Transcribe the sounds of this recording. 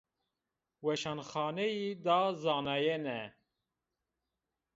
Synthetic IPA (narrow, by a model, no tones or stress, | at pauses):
wɛʃɑnxɑːnɛjid̪ɑzɑːnɑjenɛ